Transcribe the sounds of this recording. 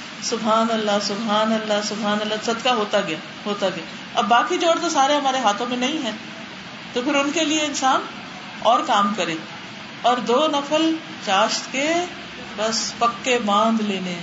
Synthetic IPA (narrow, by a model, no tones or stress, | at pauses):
sʊbɦaːnəlːasʊbɦaːnɐlːasʊbɦaːnəlːasɐd̪kaɦoːt̪aɡɐjaː | ɦoːt̪aɡɐjaː | ɐbːaːkid͡ʒoːɽt̪osaːɾeɦɐmaːɾeɦaːt̪ʰõmẽnɐĩɦɛ̃ː | t̪opʰɪɾʊnkelieɪnsaːn | ɔːɾkaːmkɐɾẽː | ɔːɾd̪oːnɐpʰəl | t͡ʃaːʃt̪ke | bɐspɐkːebãːnd̪leːnẽ